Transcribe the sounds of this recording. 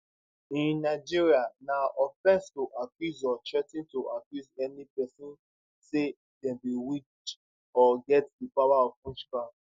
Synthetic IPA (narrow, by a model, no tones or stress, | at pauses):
ĩnnaɪd͡ʒiɹianaʔɔfɛ̃nstoʔakjuzɔt͡ʃɛtĩntoʔakjuzɛnipɛsĩn | se | dɛ̃biwit͡ʃ | ɔɡɛtdipawaɔvũnstɹã